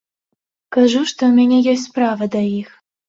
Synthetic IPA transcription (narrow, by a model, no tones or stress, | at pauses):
kaʒuʃt̪omʲenʲejes̬ʲtʲprɑvəd̪ɑix